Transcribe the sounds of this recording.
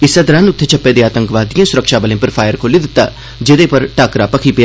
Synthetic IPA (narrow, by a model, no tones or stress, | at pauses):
ɪsːəd̪ɾãːnʊt̪ʰːeːt͡ʃʰəpːeːd̪eːaːt̪ə̃ŋkʋaːd̪ɪjãːsʊɾəkʃaːbəlẽːpəɾpʰaːjəɾkʰoːlid̪ɪt̪ːa̰ː | d͡ʒɪd̪eːpəɾʈaːkɾaːpəkʰiːpɪja